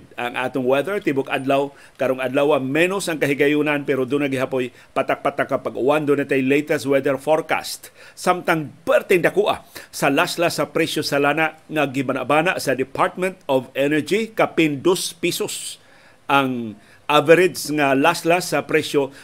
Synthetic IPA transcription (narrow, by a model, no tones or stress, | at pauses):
d̪̚aŋʔa̰ːt̪ʊŋwɛðɛɹt̪ibʊka̰d̪law | kaɾoŋʔad̪lawaŋmɛnosɐŋkaɦɪɡajunanpɛɾod̪unaɡɪɦapoj | pat̪ak̚pat̪akːapaɡʔʊ̰wand̪unat̪ajlejt̪ɛst̪̚wɛd̪ɛɹfoɹka̰st̪samt̪aŋpɛɾt̪ɛŋd̪akuʔa̰salaslasapɾɛsjosalanaʔŋaɡɪbana̰ʔbaːnaʔsɐd̪ɪpʰaɹt̪̚mɛ̃nt̪ɔvɛnɛɹd͡ʒikapɪnd̪ospisos | ʔaŋ | ʔavɛɾɪdsŋalaslasapɾɛsjo